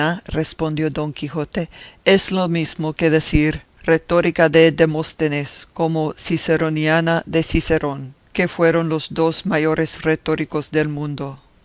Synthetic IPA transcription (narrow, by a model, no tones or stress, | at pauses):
arespo̞nd̪jod̪o̞ŋkixot̪eeslomizmokeðesiɾ | ret̪oɾikaðed̪emost̪eneskomosiseɾonjanaðe̞siseɾʔoŋ | ke̞fwe̞ɾo̞nlo̞zd̪o̞smajo̞ɾʔe̞sret̪oɾiko̞zðe̞lmũnd̪o